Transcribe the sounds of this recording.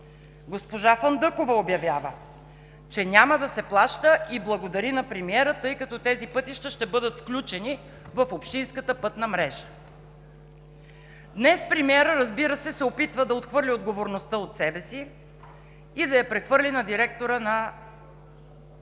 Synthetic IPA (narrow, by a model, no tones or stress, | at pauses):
ɡospoʒafənd̪ɤkovɐobjɐvʲjavə | t͡ʃɛnʲaməd̪ɐsɛplˠaʃt̪əʔiblˠɐɡod̪ɐɾinɐpɾɛmiɛɾət̪ɤjkɐt̪ɔt̪ɛzipɤt̪iʃt̪əʃt̪ɛbɤd̪ət̪fklʲut͡ʃɛni | vɐfopʃt̪ĩnskət̪əpɤt̪nəmɾɛʒə̥ | d̪nɛspɾimiɛɾəɾɐzbiɾəsɛsɛopit̪vəd̪ɐot̪xvɤɾlʲiod̪ɡovoɾnost̪əot̪sɛbɛsi | id̪ɐjɐpɾɛxvɤɾlʲinɐd̪iɾɛkt̪oɾənɐ